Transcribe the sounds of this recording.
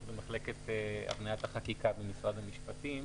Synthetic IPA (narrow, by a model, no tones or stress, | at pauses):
bemaχle̞ket̪ea̰vnajat̪haχakikabemisʁad̪hamiʃpat̪im